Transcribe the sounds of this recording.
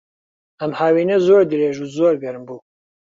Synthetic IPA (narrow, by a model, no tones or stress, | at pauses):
ɐmhaːwiːnɐzoːɾd̪ɨɾeːʒuːzoːɾɡɐɾɨmbuː